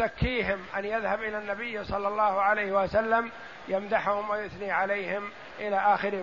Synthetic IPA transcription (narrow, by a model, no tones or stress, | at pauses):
akːiːɦɪmʔanjaðhabʔɪlanːabɪjːsˤɑlːɑlˤːɑːhʕalajhɪwasalːam | jamd̪aħhʊmwajʊθniːʕalajhɪm | ʔɪlaːʔaːxɪɾ